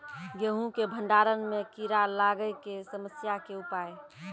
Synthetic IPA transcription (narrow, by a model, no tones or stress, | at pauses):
ɡeɦũkebʱəɳɖaɾənmekiɾalaɡəjkesəməsjakeupae